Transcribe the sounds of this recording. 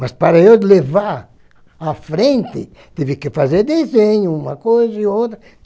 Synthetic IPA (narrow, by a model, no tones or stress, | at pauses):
mɐspaɾɐewlevaɾ | afɾẽnt̪ɪ | t̪ivɪkɪfazeɾd̪ezẽɲʊũmɐkojzɐiot̪ɾɐ